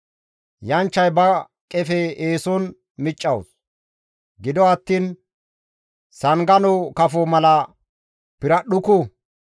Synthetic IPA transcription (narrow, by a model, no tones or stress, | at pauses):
jɐnt͡ʃːɐjbɐ | kʼɛfɛeːsɔn | mɪt͡ʃʼːɐws | ɡɪd̪ɔɐt̪ːiːn | sɐŋɡɐnɔwkɐfɔmɐlɐ | pɪɾɐɗʊkʊ